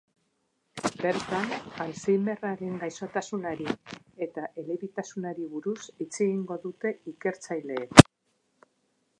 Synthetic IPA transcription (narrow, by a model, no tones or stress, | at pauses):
be̞ɾt̪analsijme̞raɾe̞ŋɡajso̞t̪asunaɾi | e̞t̪aʔe̞leβit̪asunaɾiβuɾusit͡se̞ɣiŋɡo̞ðut̪e̞ike̞ɾt͡sajle̞ːk